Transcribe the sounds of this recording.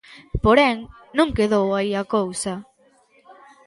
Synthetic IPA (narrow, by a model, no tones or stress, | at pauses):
poɾɛŋ | nũŋkeðowaiakowsɐ